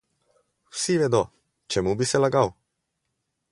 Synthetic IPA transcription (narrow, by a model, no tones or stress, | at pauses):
wsiʋɛd̪ɔ | t͡ʃɛmubisɛlaɡaw